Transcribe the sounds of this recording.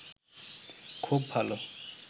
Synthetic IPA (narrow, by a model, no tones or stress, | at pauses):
kʰub̚bʱalo